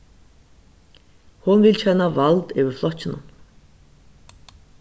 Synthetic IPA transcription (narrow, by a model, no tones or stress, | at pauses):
hunvɪlt͡ɕʰɛnavalt̪œːwɪɾflɔt͡ɕːɪnʊ̰m